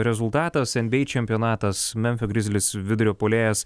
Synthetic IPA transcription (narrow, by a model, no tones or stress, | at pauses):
ɾʲɛzʊlˠt̪ɑːt̪ɐsɛnʲbʲɛɪt͡ʃʲɛmʲpʲijoːnɑːt̪ɐsmʲɛnʲfʲoɡɾʲɪzʲlʲɪsʋʲɪd̪ʊɾʲoːpoːlʲeːjɛs